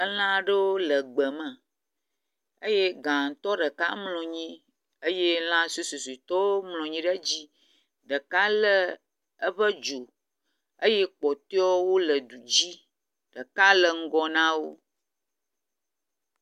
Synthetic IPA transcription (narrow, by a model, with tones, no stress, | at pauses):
ə˦l̃ã˦ɖə˦wo˦lə˨ɡ͡bə˨mə̃˨ | ə˦je˦ɡã˨ŋ˨t̪ɔ˦ɖə˨ka˦mlɔ̃˨ɲĩ˦ | ə˦je˦l̃ã˦su˦su˨su˨t̪ɔ˦mlɔ̃˨ɲĩ˦ɖə˦d͡ʑi˦ | ɖə˨ka˦lə˦ | ə˦ɸə˦d͡ʒo˨ | ə˦je˦k͡pɔ˨t̪e˦ɔ˦wo˦lə˨du˨d͡ʑi˦ | ɖ̥ə˨ka˦lə˨ŋ̩˦ɡɔ˦nã˦wo˦